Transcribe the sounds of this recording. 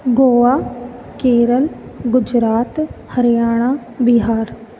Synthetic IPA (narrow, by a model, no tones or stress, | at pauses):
ɡoːʋaː | keːɾəlɡʊd͡ʒɾaːt̪həɾɪjaːɽ̃aː | biɦaːɾ